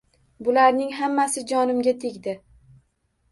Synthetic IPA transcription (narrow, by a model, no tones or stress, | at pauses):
bʊlaɾnɪŋɦamːasɪd͡ʒɒnɪmɡʲat̪ʰeɡʲd̪ɪ